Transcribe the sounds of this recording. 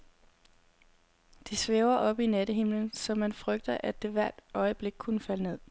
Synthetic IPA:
d̥isʋeːʊɐʔɒ̽b̥ined̥əɦe̝mlənsɒ̽mænfʁœɡ̥̚d̥ɐʔæd̥e̝ʋæɐ̰d̥ɒ̽ɪəb̥le̝ɡ̥̚kʰunəfæləne̝ð̰ˠ

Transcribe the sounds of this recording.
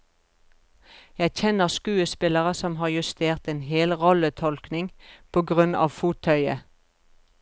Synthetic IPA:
jæɪçɛnəʁskʉːəspɪləʁəsɔmɦɑːʁjʉst̪eːʁt̪eːnɦeːlʁɔlət̪ʰɔlknɪŋpʰoːɡʁʉnɑ̰ːʋfuːt̪ʰœʏə̰

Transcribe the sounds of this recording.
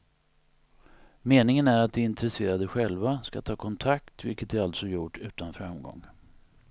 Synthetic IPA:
meːnɪŋənæɾat̪̚d̪ɛɪnt̪ɾɛseːɾad̪əɧɛlvaska̰t̪ʰɑːkʰɔnt̪ʰakt̪vɪ̰lkət̪̚d̪ɾalt̪sɔjʊʈːʉ̟ːt̪anfɾamɡɔ̰ŋː

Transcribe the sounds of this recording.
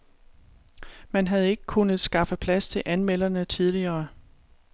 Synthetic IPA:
mænɦæð̞̩ˠe̝ɡ̥əkʰunð̩ˠsɡ̥ɑ̈fəpʰlæst͡sʰe̝lʔænmel̰ɐnət͡sʰið̞ˠliɐː

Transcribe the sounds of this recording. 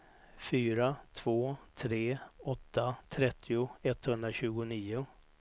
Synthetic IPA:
fyːɾat̪ʰv̥oːt̪ʰɾeːɔt̪ʰːat̪ʰɾɛt̪ʰːɪʊɛt̪ːhɵnd̪ɾaɕʉ̟ːɡʊniːʊ

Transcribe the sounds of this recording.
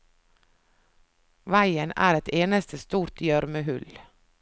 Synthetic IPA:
ʋæɪənæ̰ːɾɛt̪eːnəst̪ʰəst̪uːɾt̪jœɾməhʉl

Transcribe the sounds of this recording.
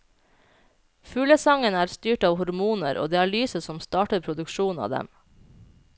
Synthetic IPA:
fʉːləsɑŋənæːɾst̪yːʈɑːʋhʊɾmuːnə̰ɾʔo̰ːd̪eːæɭyːsəsɔmst̪ɑːʈəɾpʰɾʊd̪ʉkʃuːnɑ̰ːd̪ɛ̰m

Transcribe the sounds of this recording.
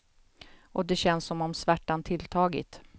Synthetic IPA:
ʔɔd̪ɛɕɛnsːɔmɔmsvæʈːant̪ʰɪlt̪ʰɑːɡɪ̰t̪

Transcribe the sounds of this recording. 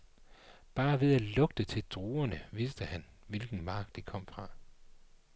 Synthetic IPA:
b̥ɑ̈ːʋe̝ðˠælɔ̽ɡ̥̚d̥ət͡sʰe̝ld̥ʁuːɐnəʋisd̥əhæn | ʋelɡ̥n̩mɑ̈ɡ̥̚d̥ikʰɒ̽m̰fʁɑ̈

